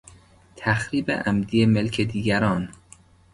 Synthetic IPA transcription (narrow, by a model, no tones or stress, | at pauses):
t̪ʰæxɾiːbḛʔæmd̪ijemelkʰed̪iːɡæɾɒːn